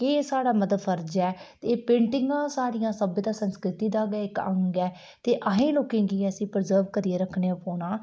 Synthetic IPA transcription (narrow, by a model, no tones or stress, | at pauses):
kesaːɽaːməd̪əd̪fʰəɾd͡ʒɛːt̪eːpẽːɳʈɪŋɡãːsaːɾijãːsəbt̪aːsənskɾɪt̪iːd̪aːɡɛːɪkə̰̃ŋɡɛː | t̪eːʔəɦẽːloːkẽːɡiːəsĩːpɾzəɾʋkəɾieːɾəkʰneːapoːnãː